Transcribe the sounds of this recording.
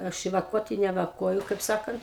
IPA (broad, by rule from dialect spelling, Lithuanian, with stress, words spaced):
ˈɐʃ ɪ ʋɐˈkuɔtʲɪ nʲɛ ʋɐˈkuɔjʊ kɐɪp ˈsɑːkɐnt